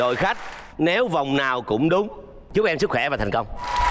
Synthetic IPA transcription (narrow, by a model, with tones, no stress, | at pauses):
ɗo̰˧˨jxa˦˥jk̟̚ | ne˨˦wva˨˩wŋ͡mnaː˨˩wkʊ̰˧˥ŋ͡mɗʊ˨˦ŋ͡m | t͡ɕɨ˨˦˥k̚ʔɛ˧msɨ˦˥k̚xwɛ˧˩vaː˨˩a˨˩ŋkə˧wŋ͡m